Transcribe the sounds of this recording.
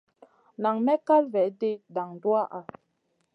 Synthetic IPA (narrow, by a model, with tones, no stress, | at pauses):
na˨ŋmɛ˦ka˦lvɛ˨de˦da˨ŋ˨du˦a˦ʔa˨